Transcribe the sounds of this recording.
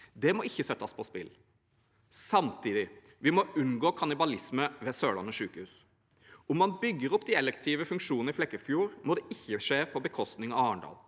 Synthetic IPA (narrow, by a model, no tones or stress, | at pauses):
d̪ɛmɔɪçːəsɛt̪ːəspʰɔspɪ̰l | sɑmt̪ʰiːd̪ɪ | ʋɪmɔʉnɡoːkʰɑnɪbɑlɪsməʋɛsøːɭɑ̰nəʂʉːkəhʉːs | ʊmːɑnbʏɡːəɾɔpːd̪iɛlɛkt̪ʰiːʋəfʉŋkʂuːnəɪflɛkːəfjuːɾmɔd̪ɛʔɪçːəʂeːpʰɔbəkʰɔst̪nɪŋɑʋɑːɳɖɑ̰ːl